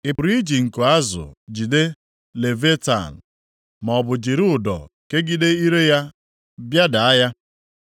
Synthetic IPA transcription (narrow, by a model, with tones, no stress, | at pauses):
ɪ˨pʊ˨ɾi˦d͡ʒi˨ŋ̩˨ko˨a˦zʊ̰˨d͡ʒi˨de˦ | le˨ve˦ta̰˨n̩˨ | ma˨ɔ˨bʊ˨d͡ʒi˨ɾʊ˦ʊ˨dɔ̰˨ke˦ɡi˦de˦i˦ɾe˦ja˦ | bja˦da˨a˦ja˦